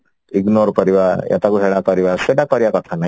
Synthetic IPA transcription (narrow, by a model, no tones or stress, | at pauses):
iɡnoɾpəɾiʋaɾjʔa̰t̪akuɦeɭ̃akəɾiʋaseʈak̚pəɾjakɔt̪ʰana